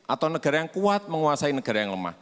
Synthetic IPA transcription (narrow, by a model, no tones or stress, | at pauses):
ʔat̪awnəɡ̥aɾajaŋkuat̪̚məŋuasainəɡ̥a̤ɾajaŋləma̰h